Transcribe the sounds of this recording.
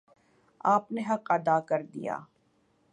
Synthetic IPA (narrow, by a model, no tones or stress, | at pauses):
aːpneɦɐqɐd̪aːkɐɾd̪ḭja̰ː